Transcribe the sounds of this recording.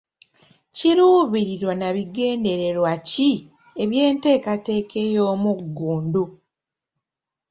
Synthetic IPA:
ciɾuːβiɾiɾwonaβiɡe̞ːnde̞ɾe̞ɾwaci | e̞βje̞ːnte̞ːkate̞ːkʰe̞jo̞ːmuɡːuːndo

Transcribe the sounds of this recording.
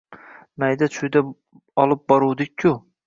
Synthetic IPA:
najd̪at͡ʃʰʊjd̪a | ɒlˠɪp̚bɒɾuwd̪ɪkʲʰːʊ

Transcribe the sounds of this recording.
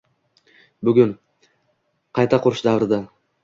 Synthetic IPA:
bʉɡʲʊn | qʰɑjt̪ʰɑqʰoɾʊʃd̪avɾɨd̪ɑ

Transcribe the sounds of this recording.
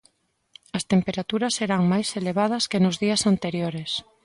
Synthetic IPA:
ɐst̪empeɾat̪uɾɐsːeɾaŋmajseleβ̞að̞ɐskenʊzðiɐsant̪eɾjoɾes

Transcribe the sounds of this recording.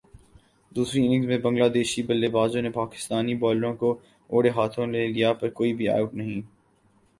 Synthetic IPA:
d̪uːsɾiɪnɪ̃ŋzmẽbɐ̃ŋɡlaːd̪eːʃibɐlːeːbaːzõnepaːkɪ̥st̪aːnibɔːlɾõko | oːɽeɦaːt̪ʰõleːlijapɐɾkoːibʱia̰ːjoːknɐɦĩː

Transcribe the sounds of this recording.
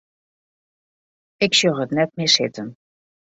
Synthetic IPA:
ɪksøɦətnɛtmɪːɹsɪtən

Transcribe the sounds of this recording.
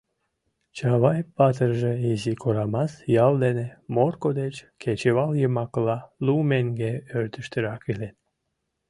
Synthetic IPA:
t͡ʃɑβɑjpɑt̪̬əɾʒəezikʰoɾɑmɑsjɑlˠd̪enemorkod̪et͡ʃkʰet͡ɕeβɑlˠjəmɑklɑlumeŋɡeøɾt̪yʃt̪əɾɑkilen

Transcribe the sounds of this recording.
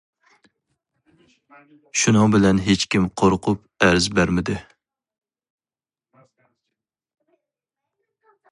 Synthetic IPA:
ʃunɨŋbɪlɛnɦet͡ʃkʲimqʰoɾqʰʊp̚ | æɾzbæɾmɪd̪ɪ

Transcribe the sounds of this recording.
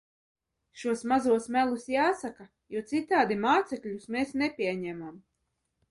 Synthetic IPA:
ʃuɔsmazuɔsmælˠusjaːsaka | juɔt̪sit̪aːd̪imaːt̪sɛkʎʲusmeːsnɛpʲiɛɲɛmam

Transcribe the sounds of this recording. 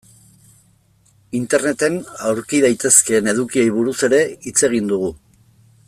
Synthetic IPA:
int̪e̞ɾne̞t̪e̞nawɾkiðajt̪e̞ske̞ne̞ðukio̞jβ̞uɾuse̞ɾe̞it͡se̞ɣ̞ind̪uɣu

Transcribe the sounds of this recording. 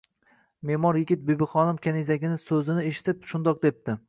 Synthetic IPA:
me̞mɒɾjɪɡʲɪt̪̚bebɪχɒnɪmkʲʰanizaɡʲɪnɪsɵzɪnɪeʃɪ̥t̪ɪpʃʊnd̪ɒq̚d̪ep̚t̪ɪ

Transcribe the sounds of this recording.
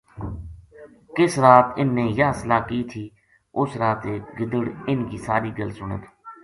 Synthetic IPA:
kɪsɾaːt̪ɪnːẽːjaːsəlaːkiːt̪ʰiː | ʊsɾaːt̪eːkɡɪd̪əɽɪnkiːsaːɾiːɡəlsʊɳə̰t̪ː

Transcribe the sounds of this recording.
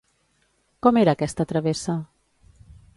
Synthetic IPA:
kɔmeɾaːkɛst̪ət̪ɾɐβesa

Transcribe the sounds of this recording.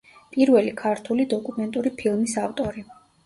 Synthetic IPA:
pʼiɾvɛlikʰaɾt̪ʰulid̪ɔkʼumɛnt̪ʼuɾipʰilˠmisaft̪ʼɔɾi

